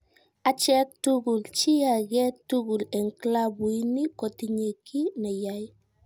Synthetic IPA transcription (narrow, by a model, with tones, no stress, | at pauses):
a˨t͡ʃɛk̚tuɡu˨lt͡ʃi˦ja˨ɡɛ˦tuɡu˨lɛ˨ŋklabu˨i˦ni˦ko˨tiɲe˨kʰi˦ne˨jaj